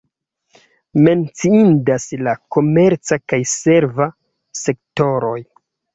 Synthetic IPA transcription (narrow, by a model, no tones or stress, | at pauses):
me̞nt͡siindaslako̞me̞ɾt͡sakajse̞ɾva | se̞kto̞ɾo̞j